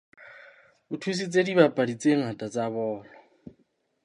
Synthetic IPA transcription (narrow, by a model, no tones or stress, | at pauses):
butʰus̬it͡sʼedibapʼadit͡sʼeŋ̩hatʼat͡sʼaβɔːlɔ